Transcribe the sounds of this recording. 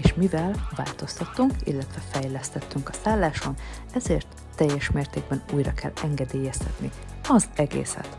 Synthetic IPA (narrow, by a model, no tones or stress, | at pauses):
eʃmivɛlva̰ːlt̪o̞st̪ɒt̪ːuŋkḭlːɛt̪ʋɛfɛjlɛst̪ɛt̪ːyŋkɒsaːlːaːʃo̞n | ɛzeːrt̪ːɛjːɛʃmeːrt̪eːɡ̚bɛnuːjrɒ̰kʰɛ̰lːɛŋɡɛd̪eːjɛst̪ɛt̪ni | ɒzɛɡḛːsɛ̰t̪